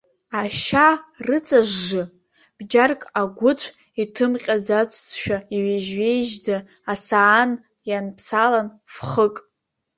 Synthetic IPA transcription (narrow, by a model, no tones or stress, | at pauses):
aʃarɨt͡sʼaʒːɨ | b̥d͡ʒarkʼaɡʷʊt͡ʃʷʰ | itʰɨmqʲʼad͡zat͡sʷʰʼt͡sʰʼʃᶣaiɥeʒɥe̞jʒd͡zaː | saːn | janpʰsalan | fχəkʼ